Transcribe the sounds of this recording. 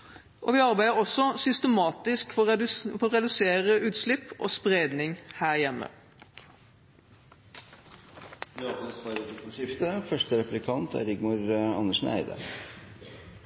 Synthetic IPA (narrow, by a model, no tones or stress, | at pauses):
ʔoːʋɪːɑʁbæɪəʁɔsːɔsʏst̪əmɑːt̪ɪskfɔfɔʁɛd̪ʉseːʁəʔʉːt̪slɪpːʔo̰ːspʁeːd̪nɪŋhæːʁjɛmːə̰ | ʋɪɑpɛnspɑɾot̪ɪkənʂɪft̪əfœʂʈəɾɛplɪkʰɑnt̪ʰæ̰ɾɪɡmʊɾɑ̰nːəʂn̩æ̰ɪd̪ə̰